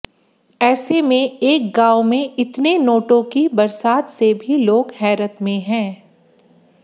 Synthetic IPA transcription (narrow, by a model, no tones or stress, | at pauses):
ɛːsemẽeːk̚ɡaːʊmẽɪt̪nenoːʈõkibɐɾsaːt̪sebʱiloːɡɦɛːɾət̪mẽɦɛ̃ː